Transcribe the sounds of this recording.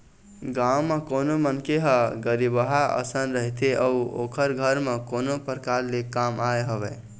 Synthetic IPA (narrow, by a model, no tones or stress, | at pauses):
ɡawmekonomənkeɦəɡəɾibəɦaə̰sənɾəɦit̪eʔəuo̰kʰəɾɡʱəɾmekonopəɾkaɾlekamaeɦəbɛ